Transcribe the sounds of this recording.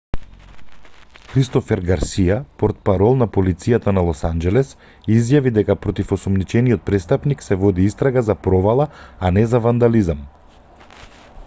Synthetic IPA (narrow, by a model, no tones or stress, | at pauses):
xɾist̪ɔfɛɾɡaɾsijapɔɾt̪̚paɾɔlˠnapolit̪sijat̪analˠɔsand͡ʒɛlɛs | izjavid̪ɛkapɾɔt̪ifɔsɔmnit͡ʃɛnijɔt̪̚pɾɛst̪apniksɛvɔd̪iist̪ɾaɡazapɾɔvalˠaanɛzavand̪alizam